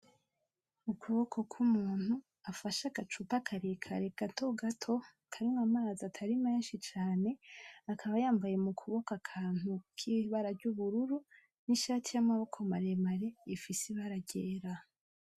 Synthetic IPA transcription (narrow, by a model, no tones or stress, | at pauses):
ukʰuβokʰokʰumuːn̥hu | afaʃaɡat͡ʃupakʰaɾekʰaɾe̞kantʰoɡatʰo̞ | kʰaɾimamaːzatʰaɾimeːnʃit͡ʃaːne̞akʰaβajaːmvaje̞mukʰuβo̞kakʰaːn̥ukʰiβaɾaɾɟuβuɾuɾu | niʃaːtʰijamaβo̞kʰomaɾe̞maɾe̞ifisiβaɾaɟeːɾa